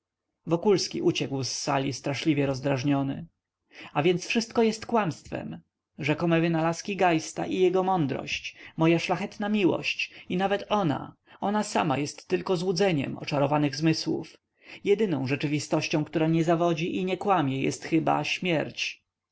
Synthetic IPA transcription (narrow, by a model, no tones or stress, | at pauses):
vɔkulskʲiʔut͡ɕɛkwsːalʲist̪ɾaʂlʲivʲjɛɾɔzd̪ɾaʐɲɔnɘ̰ | avʲjɛnt̪sfʂɘst̪̚kɔjɛst̪kwamst̪fɛ̰m | ʐɛkɔmɛvɘnalaskʲiɡajst̪a̰ʔijɛɡɔmɔnd̪ɾɔ̰ɕt͡ɕmɔjaʂlaxɛt̪namʲiwɔ̰ɕt͡ɕinavɛt̪ɔna̰ | ɔnasa̰ma̰jɛst̪ːɘlkɔzwud̪zɛɲɛ̰mɔ̰t͡ʂaɾɔvanɘɣzmɘswṵf | jɛd̪ɘnɔ̃w̃ʐɛt͡ʂɘvʲist̪ɔɕt͡ɕɔ̃kt̪uɾaɲɛzavɔd͡ʑiʔiɲɛkwamʲjɛjɛ̰st̪xɘba̰ɕmʲjɛɾt͡ɕ